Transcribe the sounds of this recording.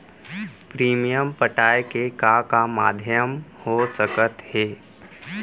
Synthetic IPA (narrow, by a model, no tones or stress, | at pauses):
pɾiːmijəmpəʈaːjkekakama̰ːd̪ʱjəmhosəkət̪heː